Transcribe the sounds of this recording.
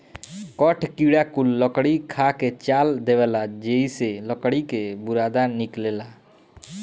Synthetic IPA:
kɔʈʰkiɽakulːəkɽikʰaket͡ʃaːld̪eʋelad͡ʒeiseləkɽikebʊɾaːd̪anɪkleːla

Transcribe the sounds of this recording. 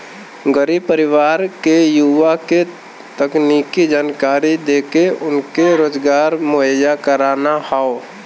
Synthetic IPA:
ɡəɾiːbpəɾɪʋaːɾkejuʋake | t̪əkniːkid͡ʒaːnkaːɾid̪eːkeʊnkeɾoːd͡ʒɡaːɾmʊɦəjakəɾaːnahao

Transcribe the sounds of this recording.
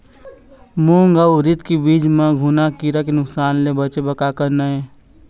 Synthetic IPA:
muːŋɡaʊɾɪt̪kibiːd͡ʒmãɡʱʊnakiɾak̬enʊksaːnlebət͡ʃebəkakəɾnae

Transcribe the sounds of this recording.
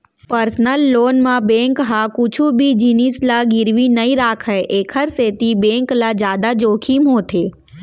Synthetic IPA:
pəɾsnəlːoːnmãbẽŋkɦakʊt͡ʃʰubʱid͡ʒinislaɡɪɾʋinəĩɾaːkʰəʔeːkʰəɾset̪ibẽːŋklad͡ʒjaːd̪ad͡ʒoːkʰimɦoːt̪ʰeː

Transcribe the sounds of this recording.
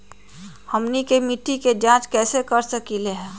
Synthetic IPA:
həmnikemiʈːiked͡ʒãːt͡ʃkɛːsekəɾsəkileɦɛː

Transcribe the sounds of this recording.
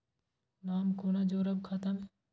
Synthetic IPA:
naːmkoːnad͡ʒoːɾəbkʰat̪ɐmɦɛ

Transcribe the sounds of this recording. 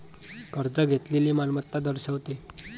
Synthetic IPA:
kəɾd͡zəɡʱet̪leliːmalmət̪ːad̪əɾɕəʋt̪e

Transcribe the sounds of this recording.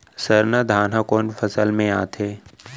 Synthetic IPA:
səɾnəd̪ʱaːnɦakoːnfʰɐsəlmẽaːt̪ʰeː

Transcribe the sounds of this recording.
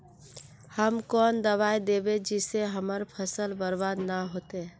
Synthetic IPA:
həmkɔːnd̪əβajd̪ebed͡ʒɪseɦəməɾpʰəsəlbəɾbad̪naɦot̪e

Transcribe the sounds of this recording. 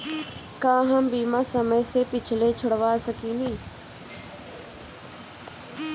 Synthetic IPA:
kãːɦəmbiːmãːsəməsepɪt͡ʃʰlet͡ʃʰʊɽʋaːsəkinĩː

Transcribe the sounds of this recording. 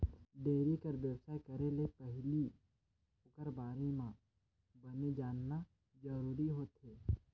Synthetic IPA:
ɖeːɾikəɾʋjəwsaːekɐɾelepɛɦli | kəɾbaːɾemã | bəned͡ʒaːnːa | d͡ʒəɾuːɾiɦoːt̪ɦeː

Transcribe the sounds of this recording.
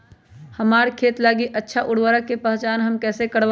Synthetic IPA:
həmaːɾkʰeːt̪laːɡiʔətːʃʰaʔʊɽwəɾəkːepəɦt͡ʃaːnɦəmkɛːsekəɽʋ

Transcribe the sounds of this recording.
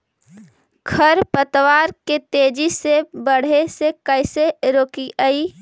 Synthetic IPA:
kʰəɾpət̪waːɾket̪eːd͡ʒisebəɽ̤esekəɪseɾoːkiʔəi

